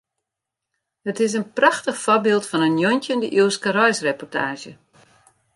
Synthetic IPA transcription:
hətɪs̬ənpraxtəxfɔbɪːlˠtfɔnənjɔntəndəʔuəskərɔjsrepɔrtʰa̰ːʒjə

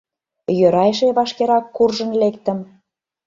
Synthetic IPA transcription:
jøɾɑjʃ̬eβɑʃkeɾɑkːurʒə̆nlekt̪ə̆m

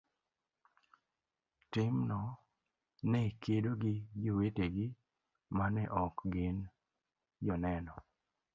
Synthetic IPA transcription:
tɪmnɔ | nɛkʰedoɡɪd͡ʒoweteɡɪ | manɛʔɔkɡɪn | d͡ʒɔnɛnɔ

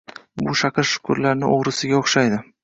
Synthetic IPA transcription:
bʊʃaqʰɨɾʃʊ̥kʰʊɾlaɾnɪʔoʁɾɪsɪɡʲaoχʃajd̪ɪ

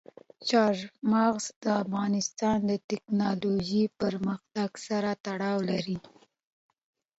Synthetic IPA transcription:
t͡ʃɑɾmɑɣzd̪əafɣɑnɪst̪ɑnd̪ət̪ɪknɑloʒipəɾməxt̪aɡsaɾat̪aɽɑwlaɾi

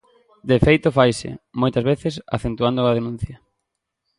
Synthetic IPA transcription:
d̪efejt̪ofajsɪ̰mojt̪ɐzβeθɪsa̰θent̪uand̪ʊɐð̞enũn̟θjɐ

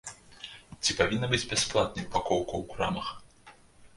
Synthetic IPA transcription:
t͡sʲipavʲinːɐbɨd͡zʲbʲɛsplˠat̪̚nʲipakɔwkɐwkɾa̰mɐx

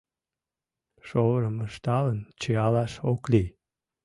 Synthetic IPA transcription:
ʃoβɾəməʃt̪ɑlənt͡ɕeɑlɑʃokli

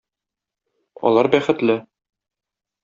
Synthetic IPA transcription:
ɒ̰lˠɑɾbæχɘ̆t̪lɘ

